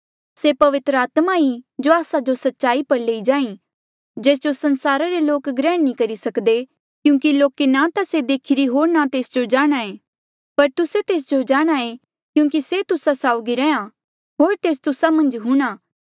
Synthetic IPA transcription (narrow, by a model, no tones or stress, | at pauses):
sepɐʋɪt̪ɾəaːt̪maid͡ʒoaːsad͡ʒosɐtːʃaːipɐɾleːid͡ʒaːĩ | d͡ʒeːs̬d͡ʒosɐ̃nsaːɾaɾeloːkɡɾɛːɽnĩkɐɾisɐkd̪e | kjũːk̬iloːkenat̪ased̪eːkʰɪɾiɦoːɾnat̪eːsd͡ʒod͡ʒaːɽ̃aeː | pɐɾt̪ʊset̪eːs̬d͡ʒod͡ʒaːɽ̃ae | kjũːk̬iset̪ʊsasaːʊɡiɾɛːã | ɦoːɾt̪eːst̪ʊsamɐ̃nd͡ʒɦʊ̃ɽ̃aː